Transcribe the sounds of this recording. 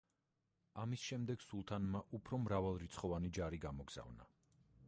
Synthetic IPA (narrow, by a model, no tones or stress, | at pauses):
amisʃɛmd̪ɛɡ̥sulˠt̪ʰanmaʔupʰɾɔmɾavalˠɾit̪sʰχɔvanid͡ʒaɾiɡamɔɡz̥a̰vna̰